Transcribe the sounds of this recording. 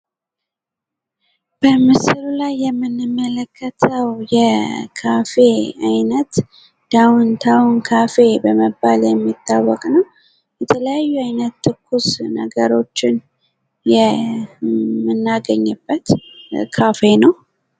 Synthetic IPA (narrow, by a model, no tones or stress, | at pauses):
b̥əmɨsɨlulajːɛmːɨnːɨmːələkʰːət̪ʰəwjɛkʰafe̞ajnət̪ | d̪̥awnt̪ʰawnkʰafe̞bəməbaljɛmːit̪ʰːawːɔkʼnəw | jɛt̪ʰələjajːuajnət̪ːɨkːusnə̰ɡəɾo̞t͡ʃːɪn | jɛ | mːɨnːaɡəɲːɨbːət̪kʰafe̞nəw